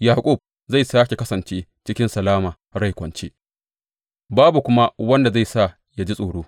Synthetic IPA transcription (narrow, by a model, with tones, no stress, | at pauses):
jaː˨kʷʼu˦˨b̚ | za˦˨jsaː˦kʲe˨kɐ˦sɐ˨nt͡ʃeː˦t͡ʃɪ˦kʲɪ˦nsɐ˨laː˦maː˨ | ɽa˦˨jkʷɐ˨nt͡ʃeː˦ | baː˦bu˨kʷʊ˦ma˦wɐ˦nda˨za˦˨jsa˦˨ | ja˦d͡ʒi˦sʼoː˨ɽoː˦